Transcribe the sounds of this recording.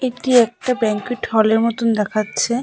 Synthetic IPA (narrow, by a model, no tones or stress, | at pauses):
eʈiɛk̚ʈabɛŋkiʈʰɔleɾmɔt̪und̪ɛkʰatːɕʰe